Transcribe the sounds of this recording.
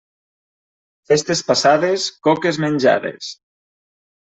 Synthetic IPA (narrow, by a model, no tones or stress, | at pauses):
fest̪espasaðeskɔkezmenʲd͡ʒa̰ðḛs